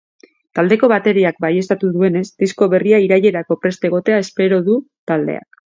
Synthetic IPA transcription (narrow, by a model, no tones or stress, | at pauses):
t̪ald̪e̞ko̞βat̪e̞ɾiak̚baje̞st̪at̪uðue̞ne̞zd̪isko̞βe̞riaiɾaje̞ɾako̞pɾe̞st̪eɣ̞o̞t̪e̞ae̞spe̞ɾo̞ðut̪ald̪e̞̰a̰k